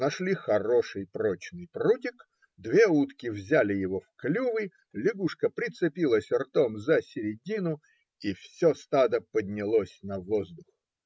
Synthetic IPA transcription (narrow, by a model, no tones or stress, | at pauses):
nɐʂlʲixɐɾo̞ʂɨjpɾot͡ɕnɨjprutʲɪk | d̪vʲe̞ut̪kʲɪvzʲælʲɪjɪvofklʲuvɨ | lʲɪɡuʂkəpɾʲɪt̪sɨpʲilˠəsʲɪrt̪o̞mzəsʲɪɾʲɪdʲinʊ | ifsʲost̪ad̪əpədʲnʲɪlˠosʲnɐvozd̪ʊx